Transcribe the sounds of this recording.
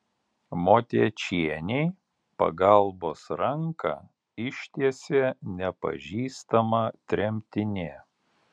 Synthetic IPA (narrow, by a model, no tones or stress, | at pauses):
moːt̪ʲiɛt͡ʃʲiɛnʲɛɪ | pɐ̰ɡɐlˠboːsɾɐŋkɐ̰ | ɪʃʲt̪ʲiɛsʲeːnʲɛpɐ̰ʒʲiːst̪ɐmɑt̪ʲɾʲɛmʲt̪ʲɪnʲeː